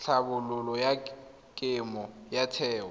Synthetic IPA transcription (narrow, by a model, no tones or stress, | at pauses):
ɬʰabʊlʊlɔja | kʼɪmɔjatʰɛːɔ